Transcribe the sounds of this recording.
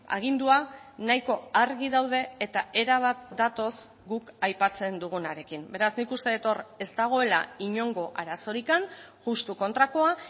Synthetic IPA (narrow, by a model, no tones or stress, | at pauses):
a̰ɣ̞ind̪uanajko̞aɾɣiðawðe̞ːt̪ae̞ɾaβ̞at̪̚d̪at̪o̞s | ɡukajpat͡se̞nd̪uɣ̞unaɾe̞kimbe̞ɾaznikust̪e̞et̪o̞ɾe̞st̪aɣ̞o̞e̞la̰iɲo̞ŋɡo̞ʔaɾaso̞ɾikanʝust̪uko̞nt̪ɾako̞a